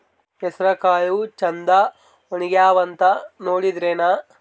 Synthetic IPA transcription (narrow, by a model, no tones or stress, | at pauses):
ɦesɐɾɐkaːɭut͡ʃɐnd̪ɐ | oniɡeaːʋɐnt̪ɐnoːɽid̪ɾeːna